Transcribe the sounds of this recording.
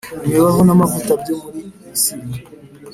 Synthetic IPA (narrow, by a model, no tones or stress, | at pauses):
ewaɦonamavutabjomuɾisima